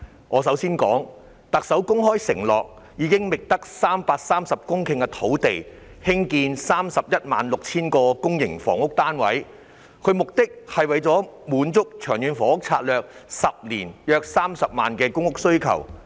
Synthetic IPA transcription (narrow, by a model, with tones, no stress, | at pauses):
ʔɔː˨˧sɐ˨˥wsiː˥nkɔ̰ː˨˥ŋ | t̪ɐ˨k̚sɐ˨˥wkʊ˥ŋɦɔː˥jsɪ̰˨˩ŋlɔː˨k̚ | jiː˨˧kɪ˥ŋmɪ˨k̚t̪ɐ˥k̚saː˥mpaː˧k̚saː˥msɐ˨p̚kʊ˥ŋkʰɪ˧ŋkɛ˧t̪ʰo˨˥wt̪e˨j | hɪ˥ŋkiː˧nsaː˥msɐ˨p̚jɐ˥t̚maː˨nlʊ˨k̚t͡sʰiː˥nkɔː˧kʊ˥ŋjɪ˨˩ŋfɔ̰ː˨˩ŋʊ˥k̚t̪aː˥nwɐ̰˨˥j | kʰɵ˨˧ɥmʊ˨k̚t̪ɪ˥k̚hɐ˨jwɐ˨˧jt͡sɔː˨˥muː˨˧nt͡sʊ˥k̚t͡ʃʰœː˨˩ŋjyː˨˧nfɔː˨˥ʊ˥k̚t͡sʰaː˧t̚lœː˨k̚sɐ˨p̚liː˨˩njœː˧k̚saː˥msɐ˨p̚maː˨nkɛː˧kʊ˥ŋʊ˥k̚sɵ˥ɥkʰɐ̰˨˩w